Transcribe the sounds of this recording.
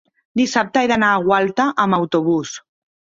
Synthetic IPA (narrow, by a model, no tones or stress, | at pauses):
d̪isap̚t̪əɛjðanaːɣwalt̪aʔəmawt̪uβ̞us